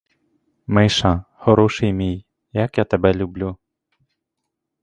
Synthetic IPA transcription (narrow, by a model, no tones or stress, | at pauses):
mɪʃɐ | xɔɾɔʃɪjmʲij | jɐkjat̪ɛbɛlʲublʲu